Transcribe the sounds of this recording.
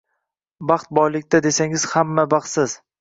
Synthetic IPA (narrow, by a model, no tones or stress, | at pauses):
bɑχt̪̚bɒjlɪk̚ʲt̪ʰad̪e̞saŋɪz̥hamːabɑχt̪sɪz̥